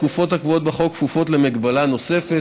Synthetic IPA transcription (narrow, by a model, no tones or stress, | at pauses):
kufo̞thakvuo̞t̪̚baχo̞kːfufo̞tle̞meɡbalano̞se̞fe